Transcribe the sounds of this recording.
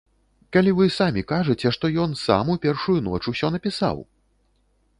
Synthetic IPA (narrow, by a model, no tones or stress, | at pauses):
kalʲivɨsamʲikaʐɨt͡sʲɛʂt̪ɔjɔnsa̰mupʲɛrʂujunɔ̰t͡ʂusʲɔnɐpʲisa̰w